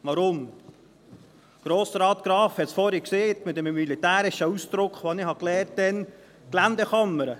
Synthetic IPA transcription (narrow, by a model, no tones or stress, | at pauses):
ʋɑɾʊm | ɡ̥ɾoːsɾɑːt̪ɡ̥ɾɑːfhɛt̪sfɔɾikseːt̪mɪt̪ɛməmilit̪æːɾɪʃəusd̥̪ɾʊkχʋɑnɪhɑklɛːɾtdɛn | klænd̪ɛχɑmːəɾə